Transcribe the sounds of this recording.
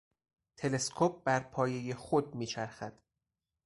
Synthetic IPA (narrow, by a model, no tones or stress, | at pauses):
t̪ʰe̞le̞skʰop̚bæɾpʰɒːje̞je̞xod̪̚miːt͡ʃʰæɾxæd̪̥